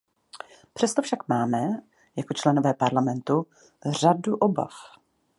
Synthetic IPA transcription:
pr̝̥ɛst̪o̞fʃakmaːmɛ | jakot͡ʃlɛnovɛːpaɾlamɛnt̪u | r̝aduʔo̞ba̰f

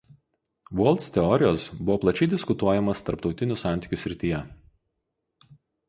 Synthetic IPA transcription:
ʋuɔlˠʲt̪sʲt̪ʲɛɔɾʲɪjoːsbʊʋoːplˠɐt͡ʃʲɛɪd̪ʲɪskʊt̪uɔjɛmɐst̪ɐɾpt̪ɒʊt̪ʲɪnʲʊsɑˑnʲt̪ʲɪ̥kʲʊsʲɾʲɪt̪ʲiːjɛ

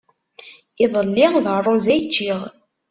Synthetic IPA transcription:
ɪðˤəlːiʁðərˤːozæjt͡ʃːiʁ

